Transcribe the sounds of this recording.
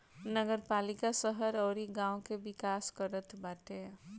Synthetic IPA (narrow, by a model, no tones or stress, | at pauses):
nəɡəɾpaːlikasəɦəɾɔːɾiɡãːõkebɪkaːskəɾət̪ʰbaːʈe